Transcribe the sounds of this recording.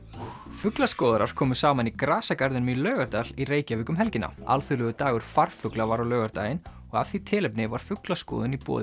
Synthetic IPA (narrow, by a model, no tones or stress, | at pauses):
fʏklaskɔːðaɾaɾ̥kʰɔːmʏsaːmanikɾaːsakaɾðɪnmilœːɣaɾt̪alireːjcavɪkʏmɦɛlcɪnʔa̰a̰lθʏlʏɣʏt̪aːɣʏɾ̥far̥fʏklavaɾawlœːɣaɾt̪a̰ːjɪn | ɔɣa̰v̥θit̪ʰɪːlɛpnɪvaɾ̥fʏklaskɔ̰ːðʏnipɔ̰ːðɪ